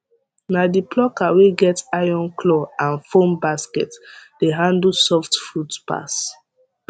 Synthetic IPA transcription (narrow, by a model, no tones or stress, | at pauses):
nadiplɔkaweɡɛtajɔ̃nklɔãnfõmbaskɛ̰td̥eɦãndl̩sɔftfɹutpa̰s